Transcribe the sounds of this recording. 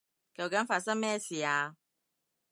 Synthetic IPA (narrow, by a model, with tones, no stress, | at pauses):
kɐ˨wkɐ˨˥nfaː˧t̚sɐ˥ŋmɛː˥˩siː˨˩aː˧